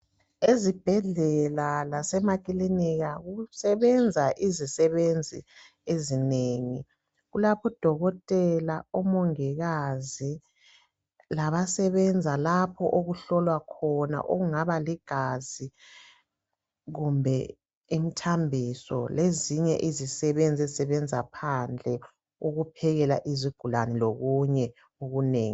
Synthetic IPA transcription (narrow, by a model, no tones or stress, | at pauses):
ezib̥ʱɛɮɛlalasɛmakʼiliniɣaɣusɛβɛnd͡zʱaʔizisɛβend͡zʱḭ | ezineːŋḭ | ɣulapʰɔd̥ʱɔɣɔtʼɛlaɔmɔŋɛɣazi | laβasɛβɛnd͡zʱalapʰɔʔoɣuɬɔlwakʰɔna̰ʔoɣuŋaβaliɡ̥ʱazi | ɣumbʱɛ | imitʰambʱisɔ̰leziɲɛ̰ʔizisɛβend͡zʱɛzsɛβɛnd͡zʱapʰand͡ɮʱɛ | uɣupʰɛɣɛlaʔiziɡ̥ʱulaniloɣuɲɛ | uɣuneːŋi